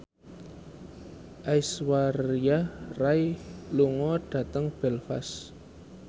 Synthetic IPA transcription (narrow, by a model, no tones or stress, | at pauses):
ʔaiswaɾiarajluŋɔɖ̥ä̤t̪əŋb̥ɛlfa̰s